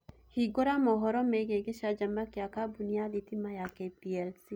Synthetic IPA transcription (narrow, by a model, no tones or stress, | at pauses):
hiɡoɾamɔɦɔɾɔmeɡeɡeʃad͡ʒambakiakabunijalit̪imajakepiɛlsi